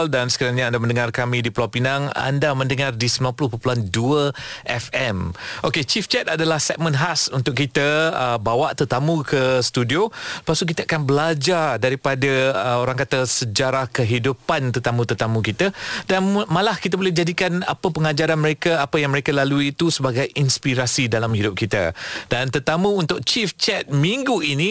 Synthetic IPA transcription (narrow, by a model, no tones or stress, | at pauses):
ldansə̥kaɾaŋɲaandamə̃ndəŋarkamĩdiplapinaŋa̰ndamə̃ndəŋardisəmbilanpulʊhpəpulanduəʔɛfɛmʔoket͡ʃift͡ʃɛt̪̚adalahsɛk̚mə̃nɦasunt̪ʊkit̪aəbawaʔt̪ərt̪amũkəst̪udiopasuʔk̬it̪əakanbəlad͡ʒardaɾipadaəoɾaŋkat̪əsəd͡ʒaɾahkəɦidupant̪ərt̪amũt̪ərt̪amũkit̪adanmãlahkit̪abolɛhd͡ʒadikana̰pəpəŋad͡ʒaɾanməɾekaapajaŋməɾekalaluiːt̪usəbaɡajinspiɾasidalamhidʊp̚kit̪a̰dant̪ərt̪amũːnt̪ʊk̚t͡ʃift͡ʃɛt̪̚mĩŋɡuinĩ